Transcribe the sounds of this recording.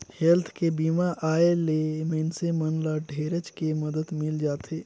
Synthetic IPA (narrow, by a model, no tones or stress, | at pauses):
hɛlt̪ʰkebiːmaʔaːelemənsemənlaɖʱeːɾət͡ʃkeməd̪əd̪mɪld͡ʒaːt̪eː